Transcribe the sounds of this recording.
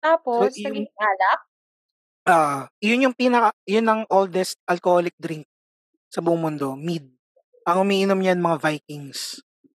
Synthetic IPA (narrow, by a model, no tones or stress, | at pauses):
t̪aːpoosʊŋʔaːlɐk̚ | ʔoːʔojʊnjʊŋpiːnɐkɐjʊnːɐŋʔold̪ɛst̪̚ʔɐlkoholɪk̚d̪ɾiŋk̚ | sɐbʊʔʊŋmʊnd̪o̞mid̪̚ | ʔɐŋʊmiːʔɪnomɲɐɐnmɐŋavajkɪŋs